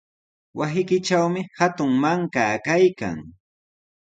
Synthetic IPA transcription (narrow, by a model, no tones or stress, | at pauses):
wasɪkɪt͡ʃawmɪhat̪ʊŋmaŋkaːkajka̰ŋ